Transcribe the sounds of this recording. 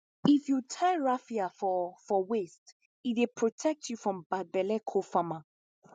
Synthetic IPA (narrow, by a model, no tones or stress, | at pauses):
ifjutʰaɪɹafiafɔfɔwest | it̚wepʰɹɔtʰɛk̚tʰjufɹɔ̃mbad̚bɛlɛkʰofama